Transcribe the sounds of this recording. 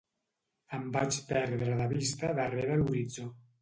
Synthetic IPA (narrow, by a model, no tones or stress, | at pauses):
əmbat͡ʃpɛɾðɾəðaβist̪aðarɛβəluɾid͡zo